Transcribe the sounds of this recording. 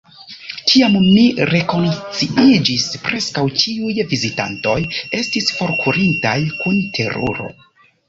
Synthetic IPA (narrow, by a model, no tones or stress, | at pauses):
tʰiamːiɾe̞ko̞nt͡siʔid͡ʒispɾʔe̞skawt͡ʃiujvizita̰nto̞je̞stisfo̞ɾkʰuɾintajkuntʰe̞ɾṵɾo̞̰